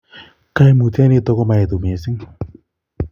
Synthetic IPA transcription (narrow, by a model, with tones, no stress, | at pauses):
ka˦e˦mu˨ta˦ne˦t̪ɔ˦kɔ˦ma˨e˨tu˨me˨sɪ˦ŋ